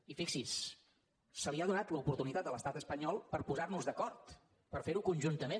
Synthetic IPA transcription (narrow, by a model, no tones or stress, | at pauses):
ifiksis | səliaðunat̪ləupuɾt̪unit̪at̪̚ələst̪at̪əspəɲɔlˠpəɾpuzarnuzðəkɔɾt̪ | pəɾfeɾukunʲʒunt̪əme